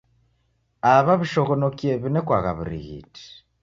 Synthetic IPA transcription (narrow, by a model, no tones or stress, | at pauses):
aβaβiʃɔɣɔnokjeβinɛkwaɣa̰βuɾḭɣḭti̥